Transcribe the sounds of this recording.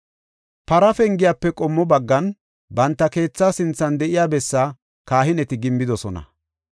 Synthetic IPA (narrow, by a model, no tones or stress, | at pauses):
pɐɾɐfɛŋɡɪjapːɛkʼɔmːɔbɐɡːɐn | bɐnt̪ːɐke̞ːt͡sːaːsɪnt͡sːɐnd̪ɛʔɪjaːbɛsːa | kaːɦɪnɛt̪ɪɡɪmːɪd̪ɔsɔnɐ̰